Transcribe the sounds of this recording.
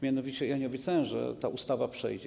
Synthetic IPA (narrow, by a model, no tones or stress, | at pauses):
mʲjanɔvʲit͡ɕɛjaɲɛɔbʲjɛt̪sajɛ̃ʐɛ̰t̪aʔust̪avapʂɛ̰jd͡ʑɛ